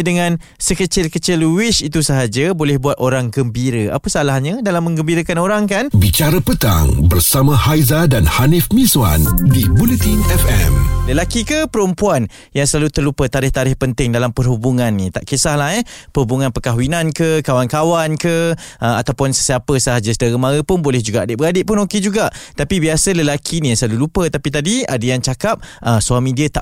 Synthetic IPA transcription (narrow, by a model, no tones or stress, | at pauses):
dəŋãn | səkət͡ʃɪlkət͡ʃɪluwɪʃit̪usəɦad͡ʒəbolɛhbuat̪oɾaŋɡəmbiɾəʔa̰pəsalahɲadalamːə̃ŋɡəmbiɾəkanoɾaŋkanbit͡ʃaɾəpət̪a̰ŋbərsamãhajzadanhanɪfmĩzwa̰ndibulət̪inɛfɛ̰mləlakikəpəɾumpuan | jaŋsəlalut̪ərlupət̪aɾɪht̪aɾɪhpənt̪ɪŋdalampərɦubuŋãnːit̪aʔkesahlaɦɛpəhubuŋãnpəkaɦwinãnkəkawankawankəəat̪awpʊnsəsiapəsəɦad͡ʒəsədaɾəmãɾəpʊnbolɛhd͡ʒuɡaʔadɪʔbəadɪʔpʊnoked͡ʒuɡaʔt̪apibiasələlakʰinijaŋsəlalulupət̪apit̪adia̰dəjaŋt͡ʃakap̚əsuamĩdiət̪a